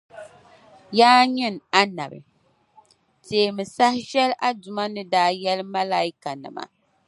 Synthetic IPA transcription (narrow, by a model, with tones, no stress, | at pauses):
jaː˦ɲɪ˦na˦na̰˨bɨ̰˨ | teː˨mɨ˨sa˦hʃɛ˦lʔa˦dʊ˨ma˦nɨ˦daː˦jɛ˦lma˦la˦i˦ka˨nɨ̰˨ma̰˨